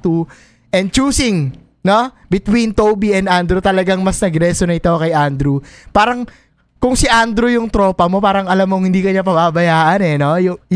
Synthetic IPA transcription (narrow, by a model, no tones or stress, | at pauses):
t̪u | ʔɛnd̪̚t͡ʃuːsɪŋ | no | bɪt̪wint̪owbiɛnd̪and̪ɾut̪ɐlɐɡaŋmɐsnɐɡɾɛsonɐɪt̪okɐjʔand̪ɾupaːɾɐŋ | kʊŋsɪʔand̪ɾujʊŋt̪ɾo̞ːpɐmo̞paːɾɐŋɐlamːoŋhɪnd̪iːkɐɲapɐbabɐjaːʔɐnɛno̞jʊ